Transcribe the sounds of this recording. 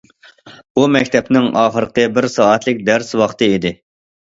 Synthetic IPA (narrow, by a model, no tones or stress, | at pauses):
bumɛkʲt̪ʰɛpnɪŋɑːχəɾəqʰəbɪɾsɑːɛt̪lɪk̚ʲd̪æɾswɑχt̪ɨid̪ɪ